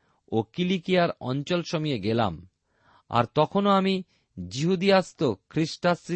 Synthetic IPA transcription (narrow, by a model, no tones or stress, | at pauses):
okilikijaɾɔ̰nt͡ɕolʃomieɡela̰m | a̰ɾt̪ɔkʰonoami | d͡ʑiɦud̪iast̪okʰɾiʃʈasɾi